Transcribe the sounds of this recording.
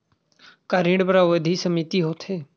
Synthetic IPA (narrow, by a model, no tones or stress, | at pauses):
kaɾĩːɽpəɾaʋəd̪ʱisəmit̪iɦoːt̪ʰheː